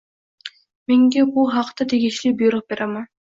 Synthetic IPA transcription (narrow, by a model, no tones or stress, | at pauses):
meŋɡebulˠɦɑqt̪ɑt̪ʰeɡʲiʃlibujɾoq̚beɾʔaman